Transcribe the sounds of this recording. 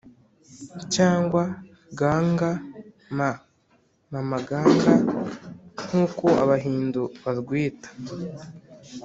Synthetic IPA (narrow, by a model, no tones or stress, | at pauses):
caːŋɡwa | ɡaːŋɡa | ma | mamaɡaːŋɡa | n̥huːko̞a̰βaɦiːnduβaɾɡwiːtḁ